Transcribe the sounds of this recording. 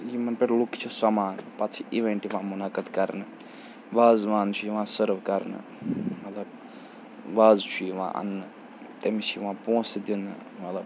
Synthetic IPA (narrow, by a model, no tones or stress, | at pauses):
jimɐnpeʈluki̥t͡ʃʰusɐmaːnpɐt͡s̪ʰiʔiʋeɳʈiʋãːmunakəd̪kɐɾnɨ | ʋaːzʋaːnt͡ʃʰujiʋãːsəɾʋkɐɾnɨ̰ | mɐt̪lɐb | ʋaːzt͡ʃʰuiʋã̰ːʔɐ̰nːɨ | t̪emit͡ʃʰiʋãːpõːsd̪inɨ | mɐt̪lɐb